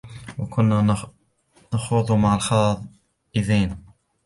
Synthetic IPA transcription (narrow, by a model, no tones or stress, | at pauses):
wakʊnːa | nɑxʊðˤʊmaʕalxɑðˤ | ʔɪðiːn